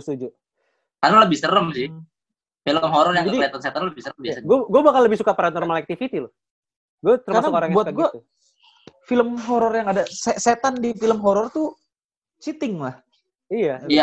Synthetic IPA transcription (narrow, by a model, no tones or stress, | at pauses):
st̪ud͡ʒu | karnaləbɪhsəɾəmsɪh | filəmɦɔɾɔrjaŋkieat̪anset̪anləbɪhsəɾəmbiaaɡuaɡuabakanləbɪhsukapaɾanɔrmalɛk̚t̪ifit̪ilʊh | ɡuat̪ərmasnaʊkaɾaŋbuat̪aɡiat̪u | filəmɦoɾɔrjaŋadaseset̪andifiləmɦɔɾɔrt̪u | t͡ʃit̪ɪŋlah | ijaija